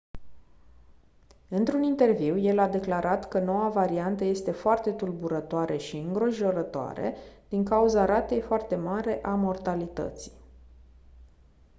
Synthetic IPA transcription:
ɨnt̪ɾunint̪e̞rviwje̞lad̪e̞klaɾʔat̪kəno̞wavaɾiant̪əje̞st̪e̞foart̪e̞t̪ulbuɾət̪oaɾeʃiɨŋɡɾo̞ʒo̞ɾət̪oa̰ɾḛd̪̥iŋkauzaɾat̪e̞jfoart̪e̞maɾe̞ʔamo̞rt̪alit̪ə̰t̪si̥

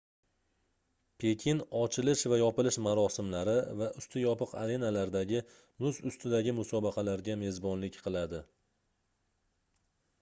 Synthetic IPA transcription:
pʰe̞kʲʰɪnɒt͡ʃʰɪlɪʃvajɒpɪlɪʃmaɾɒsɪmlaɾɪvaʔʊst̪ʰɪjɒpɨqʰa̰ɾe̞nalaɾd̪aɡʲɪ | mʊzʊst̪ʰɪd̪aɡʲɪmʊsɒbɑqʰɑlaɾɡʲame̞zbɒnlɪkʲqʰɨlˠad̪ɪ

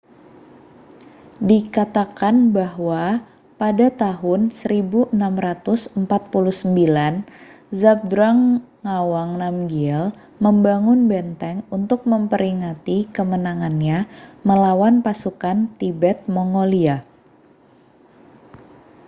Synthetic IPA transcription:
dikat̪akanbahwa | padat̪aɦʊnsəɾibuʔənamɾat̪ʊsəmpat̪̚puluhsəmbilan | zab̚dɾaŋŋawaŋnamɡiɛl | məmbaŋʊnbɛnt̪ɛŋunt̪ʊk̚məmpəɾiŋat̪ikəmənaŋanɲaməlawanpasukant̪ibɛt̪̚moŋolia

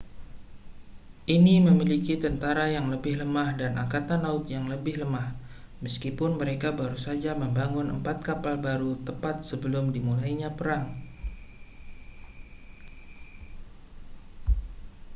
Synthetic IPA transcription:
ʔiniməmilikit̪ənt̪aɾajaŋləbɪhləmahdanʔa̰kat̪anlaʊt̪̚jaŋləbɪhləmah | məskipʊnməɾekabaɾusad͡ʒaməmbaŋʊnʔə̰mpat̪̚kapalbaɾut̪əpat̪̚səbəlʊmdimulaiɲapəɾaŋ

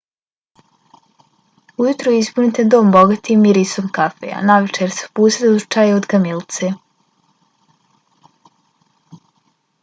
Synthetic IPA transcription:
ujut̪ɾoizpunit̪ed̪o̞ːmboɡat̪imiɾisomkafḛja̰naʋet͡ʃeɾse̥puːsed̪uzu̥t͡ʃajeod̪ɡamilt̪se

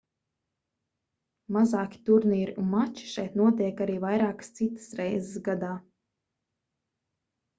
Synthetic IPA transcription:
mazɑːkʲi̥t̪uɾniːɾiunmat͡ʃi̥ʃɛjt̪nuɔt̪̬iɛkaɾiːvajɾaːkə̥st̪sit̪ə̥sɾɛjzɪsɡad̪aː

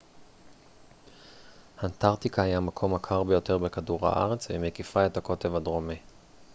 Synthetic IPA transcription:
hant̪aʁt̪ikahajamakʰo̞makʰaʁbejo̞t̪e̞ʁbe̞kaduʁha̰ʔa̰ʁet͡svemekifae̞t̪hako̞tevad̪ʁomi

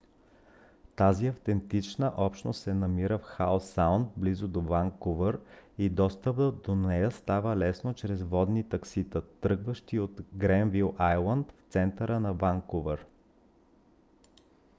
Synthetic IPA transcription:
t̪aziɐft̪ɛnt̪it͡ʃnəʔɔpʃno̰st̪sɛnɐmiɾəfxawsawnd̪t̪̚blizod̪ovaŋkovəɾid̪ɔst̪əb̪d̪onɛjəst̪avəlɛsnot͡ʃɾɛzvɔd̪nit̪ɐksit̪ət̪ɾɤɡvəʃt̪iot̪ɡɾɛnvilˠʔajlˠənt̪ft̪sɛnt̪əɾənɐvaŋkovɛɾ

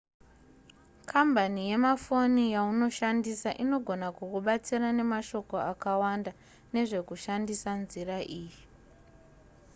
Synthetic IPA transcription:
kʰambʱanije̞mafo̞nijauno̞ʃandisaʔino̞ɡʱonakukuɓat͡sirane̞maʃo̞ko̞akawanda | ne̞ʐe̞kuʃandisanziraʔiːji

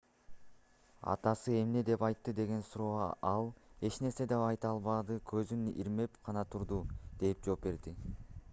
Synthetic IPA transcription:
ɑ̰t̪ɑsɯe̞mne̞d̪e̞pɑjt̪ːɯd̪e̞ɡe̞nsuɾo̞ːɑlˠe̞t͡ʃne̞ɾse̞d̪epɑjt̪ɑlˠβɑd̪ɯkʰøzynḭɾme̞pqʰɑnɑt̪ʰuɾd̪ud̪̥e̞p̚d͡ʒo̞ːp̚be̞ɾd̪i

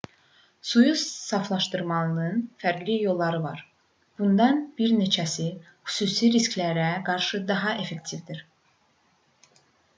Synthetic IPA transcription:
sujussɑflˠɑʃt̪ɯɾmɑlˠɯnɯnfæɾɡlijo̞lˠːɑɾɯvɑ̰ɾ | b̥und̪ɑnbiɾne̞t͡ʃʰæsi | xy̥suːsiɾiskʲlæɾæɡɑɾʃɯd̪ɑɦɑʔe̞fe̞kt̪ʰivd̪iɾ

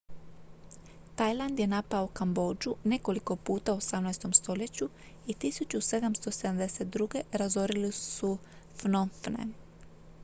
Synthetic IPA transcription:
t̪ajlˠand̪je̞napaoukambo̞ːd͡ʒune̞ko̞liko̞puːt̪auosamnajst̪o̞mst̪o̞ʎe̞t͡ɕu | it̪isut͡ɕuse̞d̪amst̪o̞se̞d̪amd̪eset̪̚d̪ɾuɡe̞ɾazo̞ɾilisu | fnonfnḛ

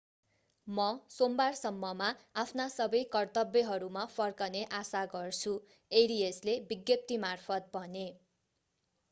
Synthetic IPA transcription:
mʌsombarsʌmːʌmaapʰnasʌbʌjkʌrt̪ʌbjʌɦʌɾumapʰʌrkʌneʔasaɡʌrt͡sʰu | eɾieslebiɡjʌp̚t̪imarpʰʌt̪̚bʱʌne

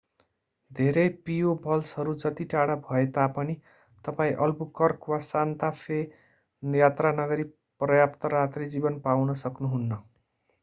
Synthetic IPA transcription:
d̪ʱeɾʌjpijobʱʌlsɦʌɾud͡zʌt̪iʈaɽabʱʌet̪apʌni | t̪ʌpaĩʔʌlbukʌrkwasant̪apʰe | jat̪ranʌɡʌɾi | prʌjapt̪ʌɾat̪red͡zibʌnpawnʌsʌknuɦunːʌ

